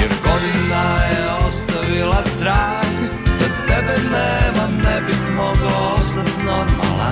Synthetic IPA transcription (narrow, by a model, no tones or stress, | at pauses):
jɛɾɡod̪inajɛ | ost̪aʋilad̪ɾaːɡi | t̪at̪ɛbɛnɛːmamnɛbit̪mɔɡlɔost̪at̪nɔɾma̰la̰